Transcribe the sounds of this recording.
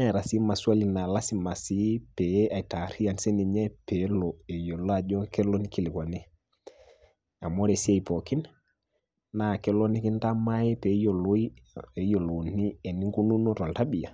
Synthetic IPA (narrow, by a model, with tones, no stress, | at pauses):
a˦˨ɾa˨si˦ma˨swa˦li˨na˨la˦si˦ma˨si˦pɛ˨˦a˨i˨ta˨ɾi˦a˨nsɛ˦ni˨ɲɛ˦pe˨˦lɔ˨e˨jo˨lo˦a˨d͡ʒɔ˦kɛ˦lo˦ni˦ki˦li˨ka˨ne˦ | a˨mo˦ɾe˨si˦a˦˨i˨pɔ˨ki˦n | na˨kɛ˦lo˦ni˦ki˦n˦ta˦ma˦jɛ˦pe˨˦jo˨lo˦i˦e˨˦jo˨lo˨ni˦ɛ˨ni˦ŋɡu˦nu˦nu˦ɾɔ˨lta˦bi˨a̰˨